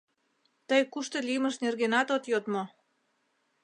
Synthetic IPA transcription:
t̪əjkuʃt̪olʲiməʃnerɣenɑt̪ot̪jot̪mo

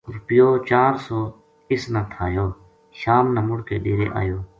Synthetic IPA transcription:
ɾʊpɪjoːt͡ʃaːɾsoː | ɪsnãːt̪ʰaːjoː | ʃaːmnãːmʊɽkeːɖeːɾḛːʔa̰ːjoː

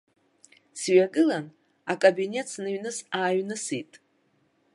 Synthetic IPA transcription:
sɥaɡɨlan | akʼobine̞tʰsnɨɥnɨsaːɥnɨsitʼ

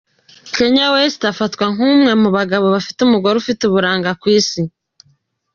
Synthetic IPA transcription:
keɲawesi̥tafatkwaŋumŋe̞muβaɡaβo̞βafi̥tumuɡo̞ɾeufituβuɾaːŋɡakwiːsi

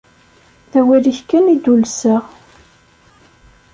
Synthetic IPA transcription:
θæwiɾiçkːænid̪ulsəʁ

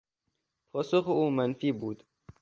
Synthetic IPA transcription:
pʰɔːsʊxuːmanfiːbuːd̪

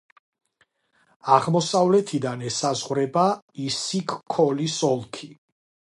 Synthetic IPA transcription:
aʁmɔsavlɛt̪ʰid̪anɛsazʁwɾɛba | isikʰːɔlisɔlˠkʰi

